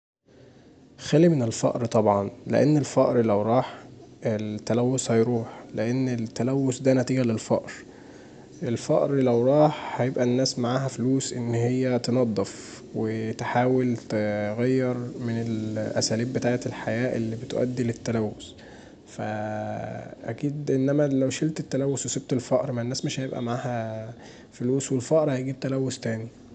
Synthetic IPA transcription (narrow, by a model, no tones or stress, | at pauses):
xælimenelfɑ̰ʔɾt̪ˤɑbʕɑnlḛʔḛnːelfɑʔɾlæwɾˤɑːħelt̪ːælæwːoshæjɾuːħleʔenːelt̪ːælæwːosd̪ænæt̪iːɡælelfɑ̰ʔɾ | ʔelfɑʔɾlæwɾˤɑːħhæjebʔænːæːsmaʕaːɦæfluːsʔenːhejːæt̪enɑd̪ˤːef | wet̪ħaːwelt̪eɣæjːɑɾˤmenelʔæ̰sæːliːbːet̪aːʕet̪elħajæːʔelːiːbet̪ʔæ̰d̪ːilet̪ːælæwːos | fæ̰ | ʔæ̰kiːd̪ʔenːæmælæwʃelt̪et̪ːælæwːosweseb̚t̪elfɑʔɾˤmænːæːsmeʃhæjebʔæ̰maʕaːhæ | foluːswelfɑʔɾˤhæjɡiːb̚t̪ælæwːost̪æːni